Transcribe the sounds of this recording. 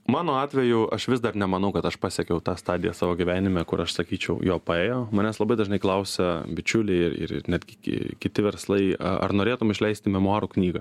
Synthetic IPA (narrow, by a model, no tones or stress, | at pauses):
mɑːnoːɑːt̪ʲʋʲɛjʊɐʃʋʲɪsd̪ɐrnʲɛmɐnɐʊkɐt̪ɐʃpɑːsʲɛkʲɛʊt̪ɑːst̪ɑːd̪ʲɪjɛsɑːʋoːɡʲiʋʲæːnʲɪmʲɛkʊɾɐʃsɐkʲiːt͡ʃʲɛʊjoːpɐeːjoːmɐnʲɛslˠɐbɐɪd̪ɐʒnɐɪklˠɐʊsʲɛbʲɪt͡ʃʲʊlʲɛɪɪrɪ̰ɾɪ̰nʲæːd̪ʲɡʲɪkʲkʲɪt̪ʲɪʋʲɛɾslˠɐɪɐ̰ɐ̰rnoːɾʲeːt̪ʊmɪʃʲlʲɛɪsʲt̪ʲɪmʲɛmʊɑːɾuknʲiːɡɐ